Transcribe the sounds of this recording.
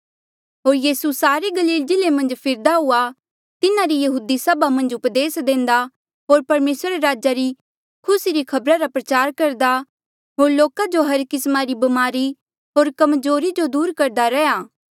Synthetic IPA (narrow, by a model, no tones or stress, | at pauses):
ɦoːɾjiːsusaːɾeɡɐliːld͡ʒɪlemɐ̃nd͡ʒpʰɪɾd̪aɦʊa | t̪ɪnaɾijɐɦuːd̪isɐbamɐ̃nd͡ʒʊpd̪eːsd̪ẽːnd̪a | ɦoːɾpɐɾmeːsɾaɾeɾaːd͡ʒaɾi | kʰʊsiɾikʰɐbɾaɾapɾɐt͡ʃaːɾkɐɾd̪a | ɦoːɾloːkad͡ʒoɦɐɾkɪsmaɾibɐmaːɾi | ɦoːɾkɐmzoːɾid͡ʒod̪uːɾkɐɾd̪aɾɛjaː